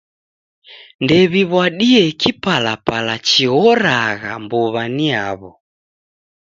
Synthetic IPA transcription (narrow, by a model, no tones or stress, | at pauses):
ndɛβiβwaɗiɛkipalapalat͡ʃiɣɔɾaɣa̰mbɔβania̰βɔ